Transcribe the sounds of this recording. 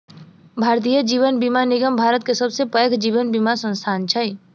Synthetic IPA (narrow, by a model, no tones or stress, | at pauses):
bʱaːɾt̪̬iːjəd͡ʒiːʋənbimanɪɡəmbʱaːɾət̪̚kesɐbsepəkʰd͡ʒiːʋənbimasə̃nst̪ʰaːnt͡ʃʰəi